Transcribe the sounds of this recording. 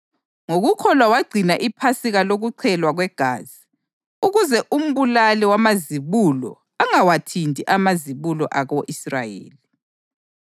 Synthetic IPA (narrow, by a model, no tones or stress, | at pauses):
ŋoɣukʰɔlwawaɡ͡ǀʱinaʔipʰasiɣaloɣuǀʰɛlwaɣwɛɡ̥ʱaːz̥i | uɣuzɛʔum̩βulalɛwamaziβulɔ̰ | aŋawatʰindʱiʔamaziβulɔʔaɣoʔisra̰jḛːli